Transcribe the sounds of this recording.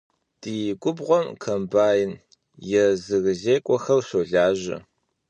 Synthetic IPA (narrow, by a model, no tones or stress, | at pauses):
d̥ijɪɡʷʼʊbʁʷɔmkʰɐmbaːjɪn | jɛzɨɣɨzeːkʷʼɔxɐwɕoɮaːʒɪ̰